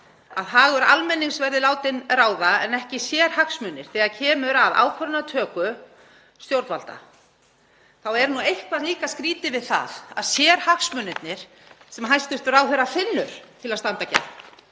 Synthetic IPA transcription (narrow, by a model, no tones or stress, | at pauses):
aðɦaːɣʏɾalmɛnːiŋsvɛɾðɪlaːwt̪ɪnraːwðaɛnɛhcɪsjɛːɾ̥haksmʏnːɪɾ̥θɛːɣaðcʰɛːmʏɾaða̰ːwkʰvœɾnat̪ʰœːkʏ | st̪jowɾt̪valt̪a̰ | θawɛɾnuejhkvaliːkaskɾiːt̪ɪvɪðθa̰ða̰ðsjɛːɾ̥haksmʏnɪt̪nɪɾ̥ | sɛmaɦajst̪ʏht̪ʏɾawθejɾafɪnːʏɾ̥t̪ʰɪlast̪ant̪aca̰